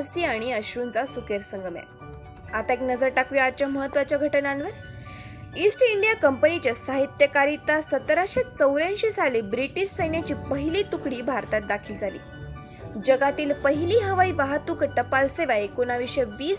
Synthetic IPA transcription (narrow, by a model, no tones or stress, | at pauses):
siaɽ̃iəɕunt͡sasukeɾsəŋɡəmja̰ | at̪aeknəd͡zəɾʈakʋiaɾt͡ɕjaməɦət̪ːʋat͡ɕjaɡʱəʈənaːnʋə | isʈiɳɖijakəmpənit͡ɕjasaɦit̪jəkaɾit̪ːasət̪ɾaɕet͡səwɾãnɕiːsalibɾiʈiɕsəjnjat͡ɕiːpəɦiliːt̪ukɽiːbʱaɾt̪at̪̚d̪akʰiːld͡zʱalḭː | d͡ʑəɡat̪iːlpəɦiliːɦəʋaiʋaɦat̪ukəʈːəpalseʋaikonaʋiɕəʋiːs